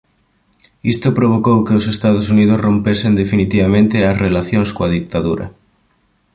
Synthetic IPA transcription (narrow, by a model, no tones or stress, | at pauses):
ist̪ʊpɾoβ̞okowkeosest̪aðʊsuniðʊsrõmpesend̪efinit̪iβamẽnt̪ɪɐsrelaθjõŋskoaðik̚t̪aðṵɾɐ̰